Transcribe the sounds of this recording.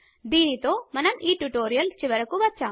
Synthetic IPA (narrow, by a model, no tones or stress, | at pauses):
d̪iːnit̪o̞ːmɐnɐmiːʈuʈoːɾijɐlt͡ʃiʋɐɾɐkːuʋɐt͡ʃːaː